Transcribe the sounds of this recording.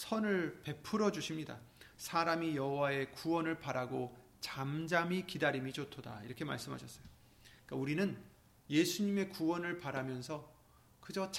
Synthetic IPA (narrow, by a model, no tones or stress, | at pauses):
sʰʌnɯɭpe̞pʰɯɾʌd͡ʑuɕʰimɲida̰sʰaɾamijʌɦowae̞kuwʌnɯɭpaɾaɡo | t͡ɕamd͡ʑamikidaɾimit͡ɕotʰoda̰ḭɾʌkʰe̞ma̰ɭs͈ɯmɦa̰ɕʰʌs͈ʌjo | ik͈auɾinɯn | je̞sʰuɲime̞kuwʌnɯɭpaɾamjʌnsʰʌ | kɯd͡ʑot͡ɕ